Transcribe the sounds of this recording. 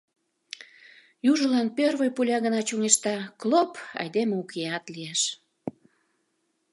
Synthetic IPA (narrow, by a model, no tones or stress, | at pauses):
juʒəlɑnpørβəjpulʲɑɣənɑt͡ɕuŋeʃt̪ɑklopɑ̰jd̪emeukeɑt̪lieʃ